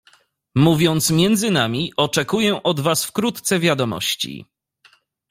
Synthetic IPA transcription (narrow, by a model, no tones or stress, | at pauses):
muvʲjɔnt̪smʲjɛnd̪zɘnamʲiʔɔt͡ʂɛkujɛʔɔd̪vasfkɾut̪t̪sɛvʲjad̪ɔmɔ̰ɕt͡ɕḭ